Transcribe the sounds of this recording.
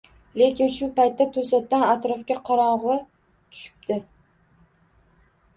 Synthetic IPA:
le̞kʲɪnʃʊpajt̪ːat̪ʰɵsat̪ːanat̪ɾɒfkʲaqʰɑɾɒɴʁɨ | t̪ʰʊ̥ʃɪ̥p̚d̪ɪ

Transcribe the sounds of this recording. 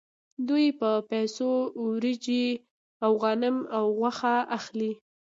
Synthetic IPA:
d̪ujpəpajsowɾid͡ʒi | awɣanɪmawɣwaxaʔaxli

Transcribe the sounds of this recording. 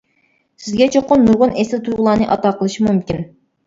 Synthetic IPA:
sɪzɡʲɛt͡ʃʰɨqːʊnːuɾʁʊnɛsɪlt̪ʰuɾʁʊlˠɑːnɨʔɑt̪ɑqʰəlˠɨʃimumkʲin

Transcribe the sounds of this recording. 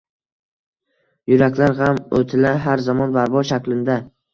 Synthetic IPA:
jʊɾakʲlaɾɦamo̰t̪ʰɪlaɦaɾzamɒnbaɾbɒʃakʲlɪnd̪a

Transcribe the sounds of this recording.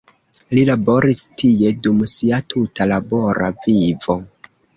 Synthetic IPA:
lilabo̞ɾistʰie̞dumsiatʰutʰalabo̞ɾʔa̰vivo̞

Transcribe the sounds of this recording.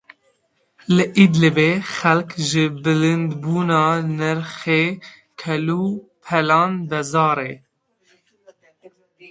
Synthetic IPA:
lɨʔid̪lɨbeːxɛlkʒɨbɨlɨnd̪buːnɑːnɨɾxeː | kʰɛluːpʰɛlɑːnbɛzɑːɾeː

